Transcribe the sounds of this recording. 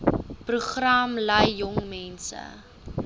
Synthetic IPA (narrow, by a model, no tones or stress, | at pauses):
pruχramlɐjːɔŋmɛnsə̰